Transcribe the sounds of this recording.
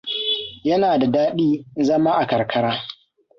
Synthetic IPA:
jɐ˦naː˨da˨daː˦ɗiː˦zɐ˦maː˦ʔa˨kɐ˨ɾkʰɐ˦ɾaː˦

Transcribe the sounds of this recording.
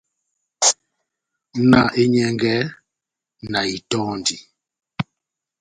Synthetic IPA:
na˦˨ʔe˦ɲɛ˦ŋɡɛ˦ | na˨i˨tɔ˦ndi˨

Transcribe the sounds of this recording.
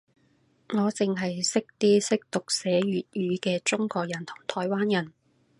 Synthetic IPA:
ŋɔː˨˧t͡sɪ˨ŋɦɐ˨jsɪ˥k̚t̪iː˥sɪ˥k̚t̪ʊ˨k̚sɛː˨˧ɥyː˨t̚jyː˨˧kɛː˧t͡sʊ˥ŋkɔː˧k̚jɐ˨˩nt̪ʰʊ˨˩ŋt̪ʰɔː˨˧jwaː˥njɐ˨˩n

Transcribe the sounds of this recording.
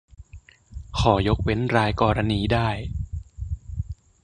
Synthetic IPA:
kʰɔː˩jo˦˥k̚we˦˥nɾaː˧jkɔː˧ɾa˧niː˧daː˥˩j

